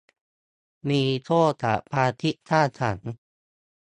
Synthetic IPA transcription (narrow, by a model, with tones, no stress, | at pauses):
miː˧t̪ʰoː˥˩˨t̪ʰa̰˨˩pʰaː˧t̪ʰi˦˥ʔt̪ʰaː˥˩tʰa˩˦n